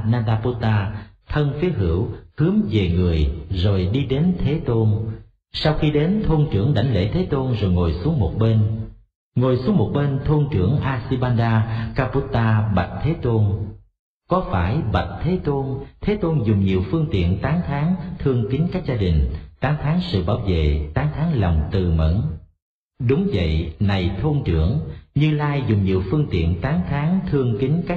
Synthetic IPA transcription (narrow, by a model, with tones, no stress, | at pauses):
naː˧ɗaː˧pu˧˥t̪aː˧t̪ʰə˧nfi˨˦əɦɨ̰˧˩əwhɨ˨˦əmve˨˩ŋɨ˨˩əjzo˨˩jɗi˧ɗe˨˦nt̪ʰe˨˦t̪o˧n | sa˧wxi˧ɗe˨˦nt̪ʰo˧nt͡ɕɨ˧˩əŋɗa̰˧˩jŋ̟lḛ˧˩t̪ʰe˨˦t̪o˧nzo˨˩jŋo˨˩jsu˨˦əŋmo˨˩t̚ɓe˧n | ŋo˨˩jsu˨˦əŋmo˨˩t̚ɓe˧nt̪ʰo˧nt͡ɕɨ˧˩əŋʔaː˧si˧ɓaː˧nɗaː˧kaː˧pu˧˥t̪aː˧ɓa˨˩t̚t̪ʰe˨˦t̪o˧n | kɔ˨˦faː˧˩jɓa˨˩t̚t̪ʰe˨˦t̪o˧nt̪ʰe˨˦t̪o˧nzʊ˨˩ŋ͡mɲi˨˩əwfɨ˧əŋt̪ḭ˧˨ənt̪aː˨˦ŋt̪ʰaː˨˦ŋt̪ʰɨ˧əŋki˨˦ŋ̟kaː˦˥k̚zaː˧ɗï˨˩ŋ̟t̪aː˨˦ŋt̪ʰaː˨˦ŋsɨ̰˧˨ɓaː˧˩wvḛ˧˨t̪aː˨˦ŋt̪ʰaː˨˦ŋlɔ˨˩wŋ͡mt̪ɨ˨˩mə̰˧˥n | ɗʊ˨˦ŋ͡mvə̰˧˨jna˨˩jt̪ʰo˧nt͡ɕɨ˧˩əŋɲɨ˧laː˧jzʊ˨˩ŋ͡mɲi˨˩əwfɨ˧əŋt̪ḭ˧˨ənt̪aː˨˦ŋt̪ʰaː˨˦ŋt̪ʰɨ˧əŋkï˨˦ŋ̟kaː˦˥